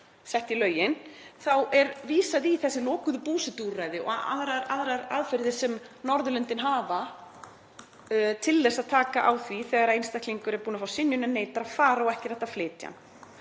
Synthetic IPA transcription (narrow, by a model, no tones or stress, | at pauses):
sɛht̪ilœːɥjɪnθawɛɾviːsaðiːθɛsːɪlɔːkʏðʏpuːsɪt̪urajðɪɔ̰a̰ðɾaɾa̰ðɾaɾa̰ðfɛɾðɪ̥sɛmnɔɾðʏlʏnt̪ɪnɦaːva | t̪ʰɪlːɛxsaðt̪ʰaːka̰ʔawθviθɛɣaɾaejnst̪ahk̪liŋkʏɾɛɾpuːnafawsɪnjʏnɛnːeːjt̪aɾaðfaːɾaɔwɛhcɪɾɛht̪ːaflɪːt̪ja̰n